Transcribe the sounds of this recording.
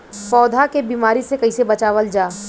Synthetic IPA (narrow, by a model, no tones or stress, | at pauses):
pɔːd̪ʱakebiːmaːɾisekɐisebɐt͡ʃaːʋəld͡ʒaː